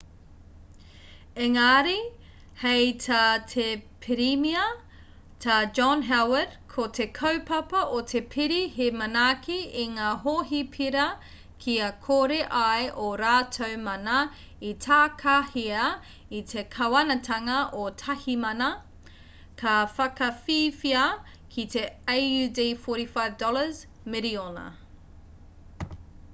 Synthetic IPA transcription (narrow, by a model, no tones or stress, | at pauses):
eŋaːɾi | hejtʰɐtʰepʰiɾimiɐ | tʰɐd͡ʒɔnɦɛwədkʰotʰekʰɐwpɐpɐʔot̪ʰepʰiɾiɦemɐnaːkʰiiŋaːɦoːɦipʰiɾɐ | kʰiɐkʰoɾeʔajʔoɾaːtʰowmɐnɐ | itʰaːkʰahiɐ | it̪ʰe̞kʰɐwɐnɐtʰɐŋɐʔotʰɐhimɐnɐ | kʰɐfɐkɐfiːfiɐ | kʰit̪ʰe̞ajʉdefoɾifajvdɔləz | meɾionɐ̰